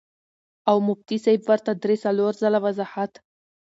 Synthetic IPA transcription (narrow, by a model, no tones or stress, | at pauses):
awmub̚t̪isajbvaɾt̪ad̪ɾesaloɾzalavazaħat̪